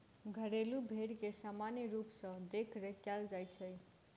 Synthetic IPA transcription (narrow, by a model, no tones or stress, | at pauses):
ɡʱəɾelubʱeɽkesamanjiɾupsʌ̃d̪ekʰɾəkjald͡ʒajt͡ʃʰəj